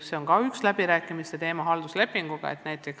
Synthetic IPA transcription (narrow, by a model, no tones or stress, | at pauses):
se̞o̞nkɑykslæb̥iɾæːkːˑimist̪et̪e̞ːmɑɦɑld̪̥usle̞pːˑiŋɡ̥uɡ̥ɑ̰e̞̰t̪næjt̪ːˑe̞ks